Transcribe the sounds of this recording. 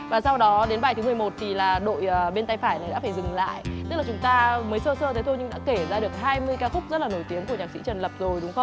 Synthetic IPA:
vaː˨˩sa˧wɗɔ˨˦ɗe˨˦nɓaː˧˩t̪ʰɨ˨˦mɨ˨˩əjmo˨˩t̚t̪ʰi˨˩laː˨˩ɗo̰˧˨jəː˨˩ɓe˧nt̪a˧jfaː˧˩jna˨˩jɗa̰˧˥faː˧˩jzɨ˨˩ŋla̰ː˧˨jt̪ɨ˦˥la˨˩t͡ɕʊ˨˦ŋ͡mt̪aː˧məː˨˦jsəː˧səː˧t̪ʰe˨˦t̪ʰo˧jɲɨ˧ŋɗa̰˧˥ke˧˩zaː˧ɗək̚ɦaː˧jmɨ˧əjkaː˧xʊ˦˥k͡p̚zə˦˥t̚laː˨˩no˧˩jt̪i˨˦əŋku˧˩əɲaː˨˩k̚sḭ˧˥t͡ɕə˨˩nlə˨˩p̚zo˨˩jɗʊ˨˦ŋ͡mxə˧wŋ͡m

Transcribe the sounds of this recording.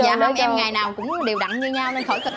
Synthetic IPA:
zaː˧˨həː˧˦˧ʔɛ˧mŋaː˨˩jnaː˨˩wkʊ̰˧˥ŋ͡mɗe˨˩wɗa̰˧˨ŋɲɨ˧ɲaː˧wnə˧nxoː˧˩jkə˧˩

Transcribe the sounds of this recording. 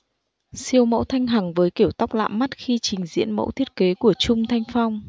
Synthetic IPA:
si˧əwmə̰˧˥wt̪ʰa˧jŋ̟ɦa˨˩ŋvəː˨˦jki˧˩əwt̪a˦˥wk͡p̚la̰ː˧˨mmːa˦˥t̚xi˧t͡ɕï˨˩ŋ̟zḭ˧˥ənmə̰˧˥wt̪ʰi˦˥ət̚ke˨˦ku˧˩ət͡ɕʊ˧ŋ͡mt̪ʰa˧jŋ̟fa˧wŋ͡m

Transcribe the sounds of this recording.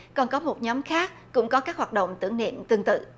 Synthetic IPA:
kɔ˨˩nkɔ˨˦mo˨˩t̚ɲɔ˨˦mxaː˦˥k̚ːʊ̰˧˥ŋ͡mkɔ˨˦kaː˦˥k̚hwaː˨˩ɗo̰˧˨wŋ͡mt̪ɨ˧˩əŋnḭ˧˨əmt̪ɨ˧əŋt̪ɨ̰˧˨

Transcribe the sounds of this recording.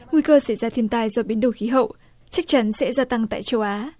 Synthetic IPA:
ŋwi˧kəː˧sa˧˩jzaː˧t̪ʰi˧ənt̪aː˧jzɔ˧˩ɓi˨˦nɗo˨˧˩xi˨˦ɦə̰˧˨wʔ | t͡ɕa˦˥k̚t͡ɕa˨˦nsɛ̰˧˥zaː˧t̪a˧ŋt̪a̰ː˧˨jt͡ɕə˧wʔaː˨˦

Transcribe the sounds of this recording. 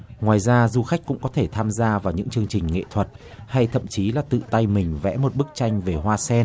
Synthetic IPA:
ŋwaː˨˩jzaː˧zu˧xa˦˥k̟̚kʊ̰˧˥ŋ͡mkɔ˨˦t̪ʰe˧˩t̪ʰaː˧mzaː˧vaː˨˩wɲɨ̰˧˥ŋt͡ɕɨ˧əŋt͡ɕï˨˩ŋ̟ŋḛ˧˨t̪ʰwə˨˩t̚ | ha˧jt̪ʰə̰˧˨mt͡ɕi˨˦laː˨˩t̪ɨ̰˧˨t̪a˧jmï˨˩ŋ̟vɛ̰˧˥mo˨˩t̚ɓɨ˦˥k̚t͡ɕa˧jŋ̟ve˨˩hwaː˧sɛ˧n

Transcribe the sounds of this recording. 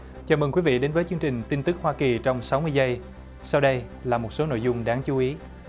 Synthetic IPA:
t͡ɕaː˨˩mɨ˨˩ŋkwi˨˦vḭ˧˨ɗe˨˦nvəː˨˦jt͡ɕɨ˧əŋt͡ɕï˨˩ŋ̟t̪i˧nt̪ɨ˦˥k̚hwaː˧ki˨˩t͡ɕɔ˧wŋ͡msa˨˦wmɨ˧əjzə˧j | sa˧wɗə˧j | laː˨˩mo˨˩t̚so˨˦no̰˧˨jzʊ˧ŋ͡mɗaː˨˦ŋt͡ɕu˨˦ʔi˨˦

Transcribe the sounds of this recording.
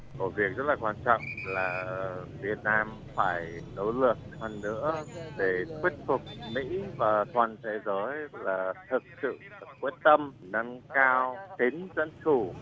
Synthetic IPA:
ko˧˩vi˨˩ək̚zə˦˥t̚laː˨˩kwaː˧nt͡ɕɔ̰˧˨wŋ͡mlaː˨˩vi˨˩ət̚naː˧m | faː˧˩jno˨˦lɨ˨˩ək̚hə˨˩nːɨ̰˧˥əɗe˧˩t̪ʰwi˦˥ət̚fʊ˨˩k͡p̚mḭ˧˥vaː˨˩t̪waː˨˩nt̪ʰe˨˦zəː˨˦jlaː˨˩t̪ʰɨ˨˩k̚sɨ̰˧˨t̪kːwi˦˥ət̚t̪ə˧mnə˧nkaː˧wt̪i˨˦ŋzə̰˧˥nt͡ɕu˧˩

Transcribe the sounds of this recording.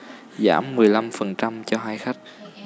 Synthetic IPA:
za̰ː˧˩mːɨ˨˩əjla˧mfə˨˩nt͡ɕa˧mt͡ɕɔ˧ɦaː˧jxa˦˥k̟̚

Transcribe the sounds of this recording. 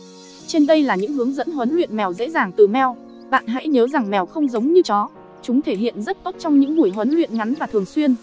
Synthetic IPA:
t͡ɕe˧nɗə˧jlaː˨˩ɲɨ̰˧˥ŋɦɨ˨˦əŋzə̰˧˥nɦə˨˦nlwḭ˧˨nmɛ˨˩wzḛ˧˥zaː˨˩ŋt̪ɨ˨˩mɛ˧˩w | ɓa̰ː˧˨nɦa̰˧˥jɲəː˨˦za˨˩ŋmɛ˨˩wxə˧wŋ͡mzə˨˦wŋ͡mɲɨ˧t͡ɕɔ˨˦ | t͡ɕʊ˨˦ŋ͡mt̪ʰe˧˩ɦḭ˧˨ənzə˦˥t̚t̪o˦˥t̚t͡ɕɔ˧wŋ͡mɲɨ̰˧˥ŋŋu˧˩əjɦwə˨˦nlwḭ˧˨ənŋa˨˦nvaː˨˩t̪ʰɨ˨˩əŋswi˧ən

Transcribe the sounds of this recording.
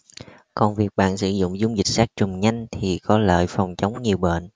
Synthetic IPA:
kɔ˨˩nvi˨˩ək̚ɓa̰ː˧˨nsɨ˧˩zʊ̰˧˨ŋ͡mzu˧˩ŋ͡mzï˨˩k̟̚saː˦˥k̚t͡ɕʊ˨˩ŋ͡mɲa˧jŋ̟t̪ʰi˨˩kɔ˨˦lə̰ː˧˨jfa˨˩wŋ͡mt͡ɕə˨˦wŋ͡mɲi˨˩əwɓə˧˨n

